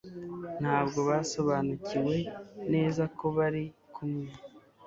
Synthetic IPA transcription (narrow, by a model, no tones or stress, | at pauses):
n̥haːbɡo̞βaso̞βaːnuciwe̞ne̞ːzakʰo̞βaɾikʰumɲa